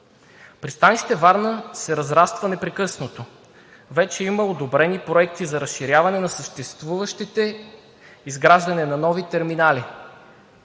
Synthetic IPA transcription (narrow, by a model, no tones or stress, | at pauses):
pɾist̪aniʃt̪ɛvaɾnəsɛɾɐzɾast̪vɐnɛpɾɛkɤsnot̪o | vɛt͡ʃɛiməod̪obɾɛnipɾoɛk̚t̪izɐɾəsʃiɾʲjavɐnɛnɐsəʃt̪ɛst̪vuvəʃt̪it̪ɛ | izɡɾaʒd̪ɐnɛnɐnɔvit̪ɛɾminali